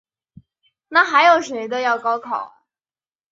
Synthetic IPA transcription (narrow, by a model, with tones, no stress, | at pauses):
na˥˩xa˧˥ɪjo˨˩ʊʂwe˧˥ɪd̪ə˧jɑ˥˩ʊkɑ˥ʊkʰɑ˨˩˦